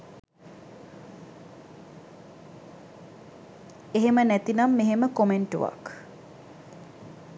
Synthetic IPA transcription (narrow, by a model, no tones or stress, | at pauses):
eɦemənæt̪inamːeɦeməkomeɳʈṵʋa̰k